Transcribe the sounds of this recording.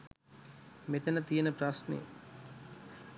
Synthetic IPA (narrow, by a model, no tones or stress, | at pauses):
met̪ɐnɐt̪iːnɐpɾaːsnḭː